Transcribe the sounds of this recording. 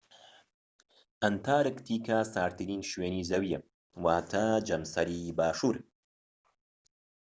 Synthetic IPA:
ʔɐnt̪ʰaːɾɨkt̪ʰiːkʰasaːɾt̪ʰɨɾiːnʃweːniːzɐwijɐ | waːt̪ʰad͡ʒɐmsɐɾiːbaːʃuːɾ

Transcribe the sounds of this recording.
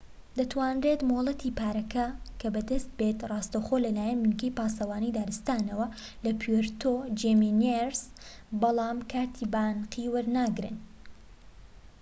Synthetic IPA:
d̪ɐt̪ʰwaːnret̪molˠɐt̪ʰipaːɾɐkɐkʰɐbɐd̪ɐst̪̚beːt̪rˤɑːst̪ɐwxoːlɐlaːjɐnmɨnkɐjpaːsɐwaːnijd̪aːɾɨst̪aːnɐwɐ | lɐpʰjeɾt̪ʰod͡ʒemineɾs | bɑlˠɑːmkʰaːt̪ʰiːbaːnqiwɐɾnaːɡɾɨ̰n

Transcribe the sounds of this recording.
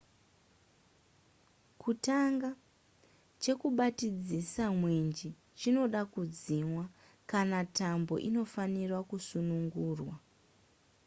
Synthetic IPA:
kutaŋɡa | t͡ʃe̞kuɓatid͡zisamwend͡ʒi | t͡ʃino̞ɗakud͡zimwa | kanatambo̞̰ʔino̞fanirwakusunuŋɡuːrwa

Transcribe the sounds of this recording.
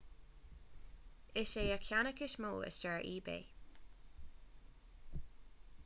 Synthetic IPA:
ɪʃeəkʰjanəkɪʃmuːlə̰sd͡ʒaɹʔiːbḛː

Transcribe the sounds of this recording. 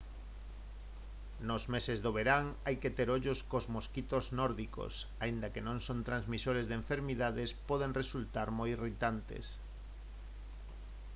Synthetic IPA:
nozmesezðoβ̞eɾaŋajket̪eɾoʎoskozmoskit̪oznɔɾðiko̰saind̪akenõŋsont̪ɾanzmisoɾezðeɱfeɾmiðaðespɔð̞eŋresult̪aɾmojirit̪ant̪ḛs

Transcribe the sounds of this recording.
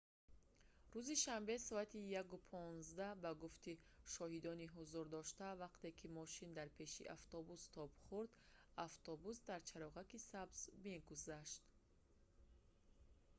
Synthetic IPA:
ɾuziʃambe̞sɔat̪ijakupʰɔnzd̪abaɡuft̪iʃɔhid̪ɔniɦuzuɾd̪ɔʃt̪avaqt̪e̞kʰimɔʃind̪aɾpʰe̞ʃḭʔaft̪ɔbust̪ʰɔbχuɾd̪aft̪ʰɔbusd̪aɾt͡ʃʰaɾɔʁakisabz̥meɡuzaʃt̪

